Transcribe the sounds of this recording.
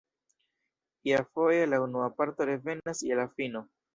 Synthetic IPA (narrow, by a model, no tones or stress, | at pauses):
iafo̞jalaunuapaɾto̞ɾe̞ve̞naselafino̞